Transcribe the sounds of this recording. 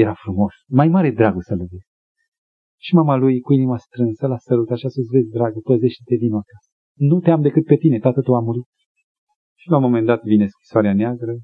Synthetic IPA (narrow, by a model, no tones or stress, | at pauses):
jeɾafɾumo̞smajmaɾe̞d̪ɾaɡosələvez | ʃimamalujkuiniməst̪ɾɨnsəlasəɾut̪aʃiasusve̞zʲd̪ɾaɡəpəze̞ʃt̪t̪e̞vinuakasə̥ | nut̪eamd̪e̞kɨt̪̚pe̞t̪ine̞t̪at̪ət̪uamuɾit̪̚ | ʃilamo̞mend̪at̪vine̞skɾi̥soaɾeaneaɡɾə